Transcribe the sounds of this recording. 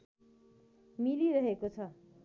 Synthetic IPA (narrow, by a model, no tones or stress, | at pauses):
miliɾʌɦekot͡sʰʌ